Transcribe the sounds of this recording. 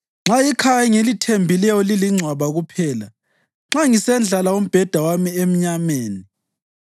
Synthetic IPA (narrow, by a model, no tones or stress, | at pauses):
ŋ͡ǁaikʰajaŋelitʰembʱilɛjɔliliŋ͡ǀʱwaβaɣupʰɛːla | ŋ͡ǁaŋisɛnd͡ɮʱalaom̩b̥ʱɛd̥ʱawamiem̩ɲameːni